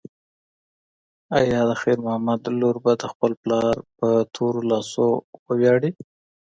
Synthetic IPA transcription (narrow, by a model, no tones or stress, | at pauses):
ajɑd̪əxiɾmʊhamad̪loɾbad̪əxpəlplɑɾpət̪ʰoɾolɑsowəwjɑɽi